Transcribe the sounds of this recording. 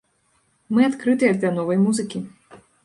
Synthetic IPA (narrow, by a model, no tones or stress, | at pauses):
mɨat̪kɾɨt̪ɨjɐd̪ʲɐnɔvɐjmuzɨkʲi